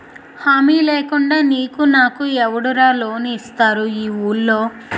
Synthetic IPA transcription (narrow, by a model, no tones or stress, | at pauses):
haːmiːleːkuɳɖaːniːkunaːkuɛʋɐɽuɾaːlo̞ːniist̪aːɾuiːuːlːo̞ː